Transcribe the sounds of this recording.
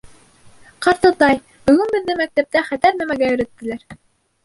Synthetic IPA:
qɑɾt̪ɤt̪ɑj | bɵ̆ɡɘnbɘ̆ðːɘmæk̚t̪æp̚t̪æχæt̪æɾnæmæɡæjɵ̆ɾæt̪ːɘ̆læɾ

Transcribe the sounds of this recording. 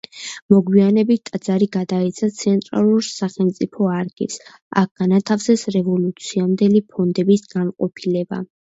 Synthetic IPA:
mɔɡwianɛbit̪̚t̪ʼad̪z̥aɾiɡad̪ait̪sʰat̪sʰɛnt̪ʼɾa̰lˠuɾsaχɛlˠmt̪sʼipʰɔaɾɡḭs | a̰k̚ʰɡ̥anat̪ʰafsɛsɾɛvɔlut̪sʰiamd̪ɛlipʰɔnd̪ɛbisɡanqʼɔpʰilɛba̰

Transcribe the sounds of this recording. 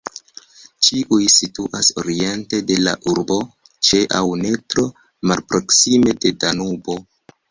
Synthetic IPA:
t͡ʃiʔujsituʔaso̞ɾie̞nte̞de̞la̰ʔuɾbo̞ | t͡ʃe̞ʔawne̞tɾo̞ | malpɾo̞ksime̞de̞danubo̞

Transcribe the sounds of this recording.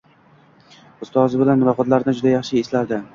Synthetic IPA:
ʊst̪ɒzɪbɪlanːɾɒqɒt̪laɾɪnɪd͡ʒʊd̪ajɑχʃɪeslaɾd̪ɪ

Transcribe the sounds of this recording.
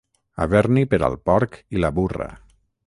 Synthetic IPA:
aβɛɾnipəɾa̰lˠpɔɾkilaβurə̰

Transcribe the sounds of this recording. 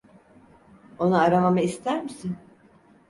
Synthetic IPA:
o̞naaɾamamaist̪ʰæɾmisin

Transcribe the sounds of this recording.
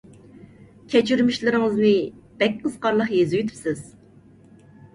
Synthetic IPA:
kʲʰɛt͡ʃʰyɾmiʃlɪɾɪŋɨzmɨb̥ɛk̚ʲqʰəz̥qʰɑɾlˠəχjezyjyt̪ʰy̥psɪz̥

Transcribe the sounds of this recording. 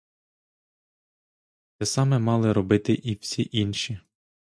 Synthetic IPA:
t̪ɛsɑmɛmɑlˠɪɾɔbɪt̪ɪʔiwsʲiʔinʃʲi

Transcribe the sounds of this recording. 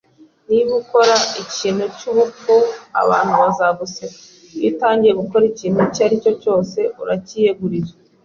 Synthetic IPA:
niβuko̞ɾaiciːn̥hucuβup͡fua̰βa̰ːn̥huβazaɡuseka | wḭːtaːɲɟije̞ɡuko̞ɾiciːn̥hucaɾico̞co̞ːse̞uɾacijeɡuɾiza

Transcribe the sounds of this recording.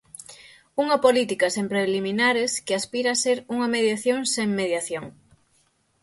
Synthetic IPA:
uŋɐpolit̪ikɐsempɾeliminaɾeskɪaspiɾaːseɾuŋɐmeðjaθjoŋseŋmeðjaθjoŋ

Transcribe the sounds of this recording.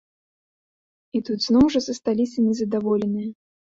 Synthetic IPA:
it̪ud̪znɔwʐɐzɐst̪alʲisʲɐnʲɛzɐd̪avɔlʲɛnɨjɐ

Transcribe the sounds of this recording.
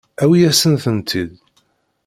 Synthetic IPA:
æwijæsənθənt̪ʰid̪

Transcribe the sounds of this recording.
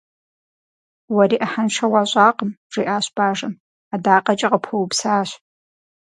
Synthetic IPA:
wɐɾiːʔɐħanʃʰɐwaːɕʼaːqəmʐ̥iːʔaːɕb̥aːʐɐm | adaːqʼɐt͡ʃʼɐqəpʰowpsaːɕ

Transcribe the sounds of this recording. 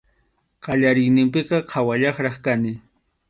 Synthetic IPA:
qɑʎaɾɪŋnɪmpɪqɑqʰawaʎɑχɾɑχkanɪ

